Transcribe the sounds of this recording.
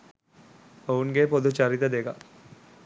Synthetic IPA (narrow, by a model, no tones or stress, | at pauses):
ouŋɡepod̪ut͡ʃɐɾit̪əd̪eɡa